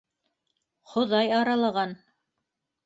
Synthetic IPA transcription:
χŏðɑjɑɾɑlˠɑʁɑn

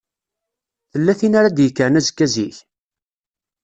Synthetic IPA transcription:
θəlːæθinaɾad̪jəkːəɾnæzə̥kːæziç

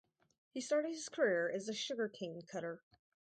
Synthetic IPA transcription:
histɑɹɾɨd̚hɪz̥kʰə˞ɪɹɨzɨʃʊɡə˞kʰɪ̃ŋkʰʌɾə˞

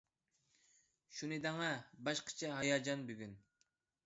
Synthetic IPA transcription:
ʃunɨd̪ɛŋɛbɑʃqʰə̥t͡ʃʰɛɦɑjɑːd͡ʒɑnbyɡʲyn

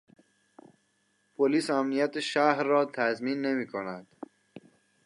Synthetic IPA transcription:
pʰoliːsæmnijæt̪eʃæhɾːɔːt̪ʰæzmiːnːemiːkʰonæd̪̥

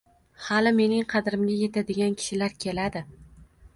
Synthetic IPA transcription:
halɪme̞nɪŋqʰɑd̪ɪɾɪmɡʲaje̞t̪ʰad̪ɪɡʲankʲʰɪ̥ʃɪlaɾkʲʰe̞lad̪ɪ

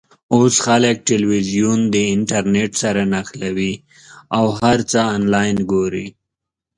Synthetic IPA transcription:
osxalək̚ʈelwizjund̪əɪɳʈaɾneʈsaɾanaxlawi | awɦaɾt͡saanlɑjnɡoɾḭ

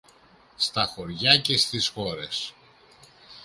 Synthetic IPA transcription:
st̪ɐxo̞ɾʝɐce̞st̪isxo̞ɾe̞s

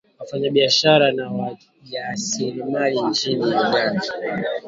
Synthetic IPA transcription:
wafaɲaɓiaʃaɾanawa | asilimalint͡ʃinijaɡazi

